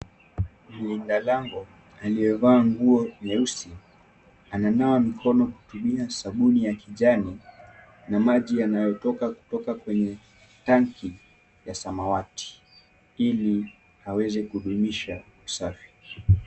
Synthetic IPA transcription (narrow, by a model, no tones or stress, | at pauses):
m̩lindalaŋɡu | alijɛvaːŋɡuɔmɛusi | ananawamikʰɔnɔhu̥tuɓiasaɓunijakiʄani | namaʄijanajɔtɔkaku̥tɔkakwɛɲɛ | taŋki | jasamawati̥ | ili | hawɛzɛkuɗumiʃa | usafi̥